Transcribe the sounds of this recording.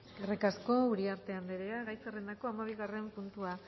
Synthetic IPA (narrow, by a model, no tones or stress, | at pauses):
erekasko̞uɾiaɾt̪eand̪eɾeaɣajsarenako̞amaβ̞iɣare̞mpunt̪ua